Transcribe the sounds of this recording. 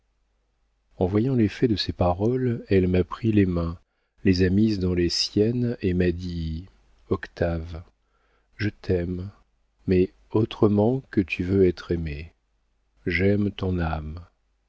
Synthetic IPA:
ɑ̃vwajɑ̃lefɛd̪əsepaʁɔlɛlmapχilemɛ̃ | lezamizd̪ɑ̃lesjɛnemad̪i | ɔkt̪av | ʒət̪ʰɛmː | ɛ | ot̪χəmɑ̃kət̪ʰyvøɛt̪χeme | ʒɛmt̪ɔ̃nam

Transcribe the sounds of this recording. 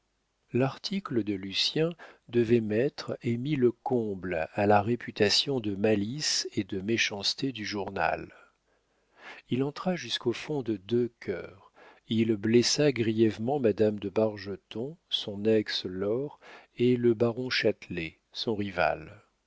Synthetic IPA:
laʁt̪ʰikləd̪əlysjɛ̃d̪əvɛmɛt̪χemiləkɔ̃blalaʁepʰyt̪asjɔ̃d̪əmalised̪əmeʃɑ̃st̪ed̪yʒuʁna̰l | ilɑ̃t̪χaʒyskofɔ̃d̪əd̪økʲʰœːʁ | ilblɛsaɡʁijɛvmɑ̃mad̪amd̪əbaʁʒət̪ɔ̃sɔ̃nɛkslɔʁeləbaʁɔ̃ʃat̪le | sɔ̃ʁiva̰l

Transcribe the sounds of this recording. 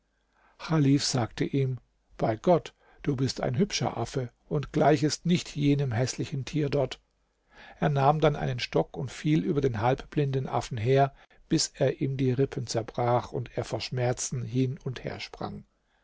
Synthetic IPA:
xaliːfz̥aːktəʔiːm | b̥aɪɡɔt | d̥uːbɪsta̰ɪnɦʏpʃɐ̰ʔa̰fə | ʔʊntɡ̥laɪçɪstnɪçtʰjeːnəmɦɛslɪçn̩tʰiːɐdɔɐt | ʔeːɐnaːmdanʔa̰ɪnənʃtɔkʊntfiːlʔyːbɐdeːnɦalpb̥lɪndn̩ʔa̰fn̩ɦeːɐ | b̥ɪsʔeːɐʔiːmdiːʁɪpʰənt͡sɛɐbʁaːχʊnteːɐfoːɐʃmɛɐt͡sn̩ɦɪnʊnthḛːɐʃpʁ̥a̰ŋ

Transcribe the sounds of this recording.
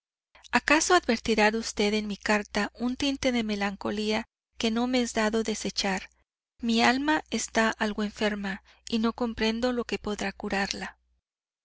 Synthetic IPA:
akaso̞aðbe̞ɾt̪iɾaðust̪e̞ðe̞nmikaɾt̪aʔunt̪int̪e̞ðe̞me̞laŋko̞lia | ke̞no̞meezd̪aðo̞ðe̞se̞t͡ʃaɾ | mialmae̞st̪aʔalɣo̞e̞ɱfe̞ɾma | ino̞ko̞mpɾe̞nd̪o̞lo̞ke̞po̞ðɾakuɾaɾla

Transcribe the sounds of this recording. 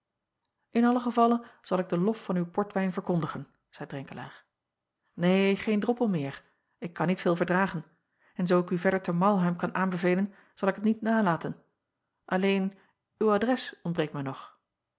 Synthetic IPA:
ɪnɑləχəvɑlənz̥ɑlˠɪɡ̚dəlɔffɑnywpɔɹtʋɛjnvəɹkɔndəχən | z̥ɛjdrɛŋkəla̰ːɹ | neːχeːjndrɔpəlˠmɪːɹ | ɪkːɑnːitfɪːlˠvəɹdraːχən | ɛnzowɪkyvɛɹdəɹtəmɑlˠɦœɥmkɑnʔaːnbəveːjlən | z̥ɑlˠɪkətnitnaːlaːtən | ʔɑlejn | ywadrɛsɔnbrejk̚mɛjnɔχ

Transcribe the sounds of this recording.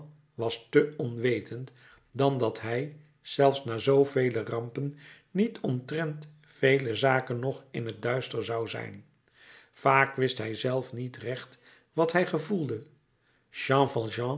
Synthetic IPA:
ʋɑstəɔnʋejtʰənt | dɑndɑtɦɛj | z̥ɛlˠfsnaːzowvejlərɑmpən | nitʰɔmtrɛnt | fejləzaːkənːɔχɪnɦət̚dœɥstəɹzɑwzɛ̰jn | faːkʋɪstɦɛjzɛlˠfnitrɛχt | ʋɑtɦɛjχəvulˠdə | ʃɑ̃ːfɑlˠʒɑ̃

